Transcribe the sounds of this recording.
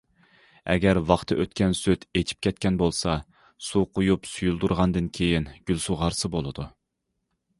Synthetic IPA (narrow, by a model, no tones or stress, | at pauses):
ɛ̰ɡʲɛɾwɑχt̪ʰɨʔøt̪kʲɛnsøt̪et͡ʃʰi̥p̚kʲɛt̪̚kʲɛnbolˠsɑ | suqojupsujulˠd̪uɾʁɑnd̪ɨnkʲʰejinɡ̥ʲylsuʁɑɾsɨbolˠɨd̪u